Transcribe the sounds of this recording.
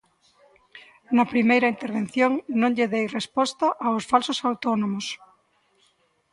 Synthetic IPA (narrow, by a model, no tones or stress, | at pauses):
nɐpɾimejɾɐint̪eɾβ̞en̟θjoŋnõŋʎeðejrespɔst̪ɐʔaosfalsosawt̪onõmos